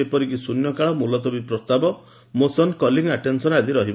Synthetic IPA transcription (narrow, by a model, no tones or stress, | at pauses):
epɔɾikisunjɔkaɭɔmulɔt̪ɔbipɾɔst̪abɔ | mosɔnkɔliŋaʈensɔnad͡ʒiɾɔɦib